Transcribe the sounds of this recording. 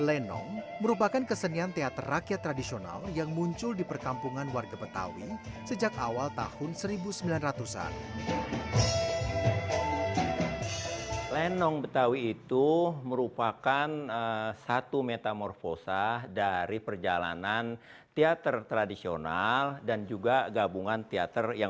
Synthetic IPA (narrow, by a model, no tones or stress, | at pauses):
lɛnɔ̰ŋməɾupakankəsəniant̪eat̪ərːakjat̪ːɾadisiona̰ljaŋmuɲt͡ʃʊldipərkampuŋanwarɡabət̪a̰wisəd͡ʒakawalt̪a̰hʊnsəɾibusəmbilanrat̪usa̰n | lɛnɔŋbət̪awiːt̪uməɾupakanəsat̪umet̪amɔrfosadaɾipərd͡ʒala̰nan | t̪eat̪ərt̪ɾadisio̰naldand͡ʒuɡaɡabuŋant̪ea̰t̪ərja